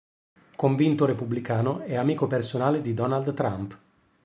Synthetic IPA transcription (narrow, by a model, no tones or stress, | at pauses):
koɱvint̪oɾepublikaːnoɛamiːkopersonaːled̪id̪ɔnald̪t̪ːɾamp